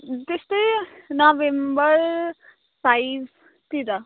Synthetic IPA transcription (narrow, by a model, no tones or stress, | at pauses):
t̪est̪ʌjnabembʌɾ | pajb | t̪id̪ʌ